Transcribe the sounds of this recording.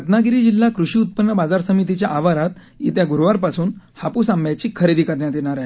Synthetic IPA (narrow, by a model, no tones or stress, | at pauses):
ət̪naɡiɾiːd͡ʑilːakɾuɕiːut̪̚pənːəbad͡zaɾsəmit̪̬it͡ɕjaʔaʋaɾat̪ | it̪jaɡuɾʋaɾpasuːn | hapuːsamjat͡ɕiːkʰəɾed̪iːkəɾɳjat̪jeñaɾaɦe